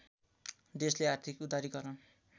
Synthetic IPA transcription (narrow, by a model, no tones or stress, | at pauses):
d̪esleart̪ʰikud̪aɾiɡʌrʌn